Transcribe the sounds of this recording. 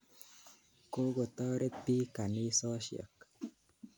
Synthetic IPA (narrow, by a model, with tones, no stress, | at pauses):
ko˦ɡo˨t̪ɔ˦ɾe˦pi˦ka˨nɪ˦sɔ˦ʃjə̰˨k